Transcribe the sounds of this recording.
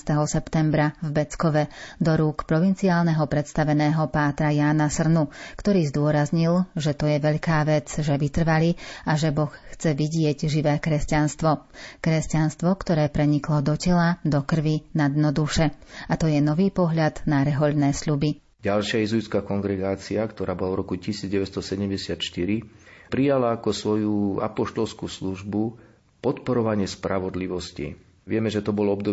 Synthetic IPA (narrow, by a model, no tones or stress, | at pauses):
st̪ɛɦɔsɛpt̪ɛmbɾavbɛt͡skɔʋɛd̪ɔɾuːkpɾɔʋint͡siaːlnɛɦɔpɾɛt̪st̪aʋɛnɛːɦɔpaːt̪ɾajaːnasr̩nukt̪ɔɾiːzd̪ʊɔɾazɲilʒɛt̪ɔjɛʋɛʎkaːʋɛt͡sʒɛʋit̪r̩ʋaliaʒɛbɔxxt͡sɛʋiɟɪɛɟʒiʋɛːkɾɛscanst̪ʋɔkɾɛscanst̪ʋɔkt̪ɔɾɛːpɾɛɲiklɔd̪ɔcɛlad̪ɔkr̩ʋinad̪nɔd̪uʃɛat̪ɔjɛnɔʋiːpɔɦʎad̪naɾɛɦɔʎnɛːsʎubi | ɟalʃɪaizuit͡skakɔŋɡɾɛɡaːt͡siakt̪ɔɾaːbɔlavɾɔkucisiːd͡zɟɛʋɛst̪ɔsɛɟɛmɟɛsɪat̪ʃt̪iɾipɾijalaːkɔsʋɔjua̰pɔʃt̪ɔlskuːsluʒbu | pɔt̪pɔɾɔʋaɲɪɛspɾaʋɔd̪liʋɔscḭ | ʋɪɛmɛʒɛt̪ɔbɔlɔbd̪ɔ